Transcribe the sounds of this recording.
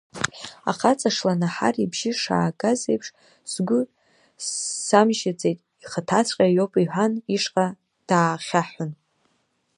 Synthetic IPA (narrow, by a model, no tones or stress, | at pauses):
a̰χat͡sʼaʂlanaħa̰ribʒɪʂa̰ːkʼazejpʰʂ | sɡʷʊ | samʒat͡sʼe̞jtʼ | iχatʰat͡sʰʷʼqʲʼajopʼiħʷᶣaniʂqʼa | d̥aːχʲaħʊn